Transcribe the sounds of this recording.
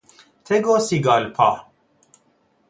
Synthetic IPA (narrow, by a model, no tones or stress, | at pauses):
t̪ʰeɡosiɡaːlpʰa̰ː